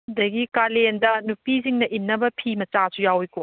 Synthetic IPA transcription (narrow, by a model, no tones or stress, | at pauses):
dɐɡikalendɐnupiziŋnɐʔinnːɐbɐpʰimɐt͡ʃasujawiko